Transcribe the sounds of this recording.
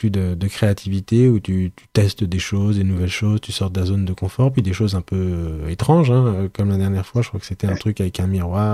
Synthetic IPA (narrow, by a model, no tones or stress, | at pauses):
pyd̪əd̪əkχeat̪ʰivit̪eut̪yt̪y̥t̪ɛst̪d̪eʃozd̪enuvɛlʃozt̪ysɔʁt̪d̪azond̪əkɔ̃fɔʁpɥid̪eʃozɛ̃pøet̪χɑ̃ʒɛ̃økɔmlad̪ɛʁnjɛʁfwaʒəkχwakə̥set̪ɛɛ̃t̪χykavɛkɛ̃miʁwaːʁ